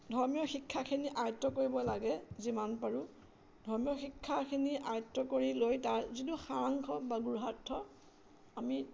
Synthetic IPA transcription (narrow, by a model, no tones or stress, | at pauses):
dʱɔɹmijɔxikʰːakʰiniʔajɔtːɔkoɹibɔlaɡɛzimanpaɹu | dʱɔɹmijɔxikʰːakʰiniʔajɔtːɔkoɹilojtaɹzituxaɹaŋkʰɔbaɡuɹɦatʰːɔ | ami